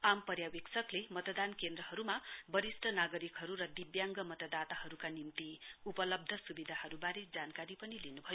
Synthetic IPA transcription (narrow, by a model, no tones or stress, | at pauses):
ampʌɾjaweksʌklemʌt̪ʌd̪ankend̪rʌɦʌɾumabʌɾisʈʰʌnaɡʌɾikɦʌɾuɾʌd̪ibjaŋɡʌmʌt̪ʌd̪at̪aɦʌɾukanimt̪iupʌlʌb̚d̪ʱʌsubid̪ʱahʌɾubaɾed͡zankaɾipʌnilinubʱʌjo